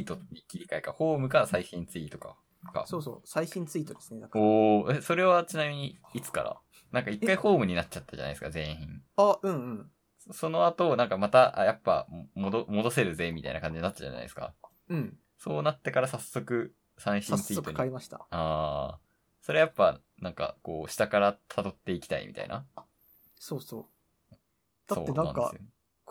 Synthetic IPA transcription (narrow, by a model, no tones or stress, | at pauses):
ɨit̪oɲikʲiɾʲikaekaho̞ːmɯ̟kaɾasaiɕĩnt͡sɨit̪o̞ka̰ | ka̰soːso̰ːsaiɕĩnt͡sɨit̪od̪esɨned̪akkoːeso̞ɾe̞β̞at͡ɕinamʲiɲ̟iːt͡sɨ̥ka̰ɾa̰ | nãŋkaikːaiho̞ːmɯ̟ɲ̟inat͡ɕt͡ɕat̪ːaʑa̰n̰esɨ̥kazẽ̞ɰ̃ḭ̃ŋaɯ̟̃ɴɯ̟̃ɴ | so̞no̞at̪o̞nãŋkamat̪aʔajapːa̰mod̪omo̞d̪o̞se̞ɾɯze̞mit̪a̰ḭnakãɲd͡ʑiɲnat̪ːad͡ʑa̰na̰j̰̪esɨ̥ka̰ | ɯ̟̃ɴ | so̞ːnat̪ːe̞kaɾasasːo̞kɯ̟ | sãɰ̃ɕĩɲit͡sɨit̪ɯɲkaɾimaɕi̥t̪a̰aː | so̞ɾejapːa | nãŋka̰ko̞ːɕi̥t̪akaɾat̪ʰad̪o̞t̪ːe̞ikʲi̥t̪aḭmʲḭt̪a̰ḭna̰ | soːsoː | d̪̥ao̰ːenãŋa̰nkaesɨjoe